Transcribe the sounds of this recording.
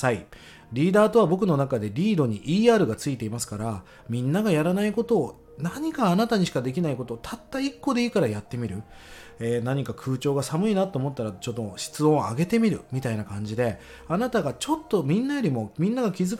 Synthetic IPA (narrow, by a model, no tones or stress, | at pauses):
sai | ɾʲiːd̪aːt̪o̞βabo̞k̬ɯ̟no̞nakad̪e̞ɾʲiːd̪o̞ɲ̟iʔiːaːɾɯ̟ɡat͡sɨit̪e̞imasɨ̥kaɾa | mʲĩnːaɡajaɾanaiko̞t̪o̞ː | naɲ̟ikaːnat̪aɲ̟iɕi̥kad̪e̞k̬ʲinaiko̞t̪o̞ːt̪ʰat̪ːaikːo̞d̪e̞iːkaɾajat̪ːe̞mʲiɾɯ̟eːnaɲ̟ikakʰɯ̟ːt͡ɕo̞ːɡasamɯ̟inat̪ːo̞ːmo̞t̪ːaɾat͡ɕo̞d̪oɕi̥t͡sɨõ̞aɡe̞t̪e̞mʲiɾɯ̟mʲit̪ainakãɲ̟d͡ʑid̪e̞ | anat̪aɡat͡ɕo̞t̪ːo̞mʲĩnːajo̞ɾʲimo̞mʲĩnːaɡakʲizɨ